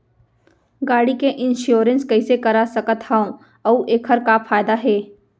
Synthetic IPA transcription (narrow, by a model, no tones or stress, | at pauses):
ɡaːɽikeʔɪ̃nʃjoːɾə̃nskɐisekɐɾasəkət̪haõ | ɐuʔeːkʰəɾkafʰaːjd̪aɦɛː